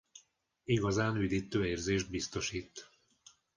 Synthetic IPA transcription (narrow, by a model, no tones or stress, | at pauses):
iɡɒzaːnyd̪it̪ːøːeːrzeːʒd̪̚bist̪o̞ʃiːt̪ː